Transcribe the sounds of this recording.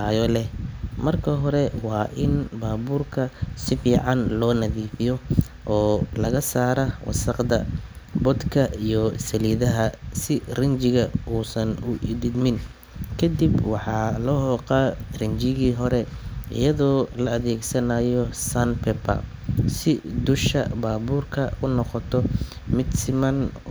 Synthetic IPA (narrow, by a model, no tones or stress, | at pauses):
ajɔlɛhmɐrkʰɐɦɔɾɛwɑːʔɪnbaːβuːrkʰɐsɪfiːʕɑnlɔːnɐðiːfɪjɔ | ʔɔːlɐɣɐsaːɾɐwʔɑ̰sɑqd̪ɐbɔd̪kʰɐʔijɔsɐliːðɐɦɐsɪrɪnt͡ʃɪɣɐuːsɐnʊʔɪðɪd̪mɪn | kʰɐd̪ibwɑħɑːlɔhɔːqɑːrɪnt͡ʃɪɣiːɦɔɾɛɪ̰jɐðɔːlɐːðɛːɡsɐnajɔsɐnpʰɛpɐ̰ | sɪd̪ʊʃɐ̰baːbuːrkʰɐʊnɔqɔt̪ʰɔ | mɪd̪sɪmɐn